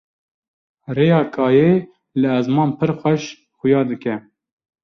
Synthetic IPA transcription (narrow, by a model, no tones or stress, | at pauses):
reːjɑːkʰɑːje | lɨɛzmɑːnpʰɨɾxʷɛʃ | xʊjɑːd̪ɨkɛ